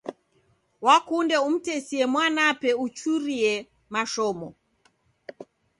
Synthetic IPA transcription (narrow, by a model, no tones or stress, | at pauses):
wakundɛum̩tɛsiɛmwanapɛut͡ʃuɾiɛ | maʃɔmɔ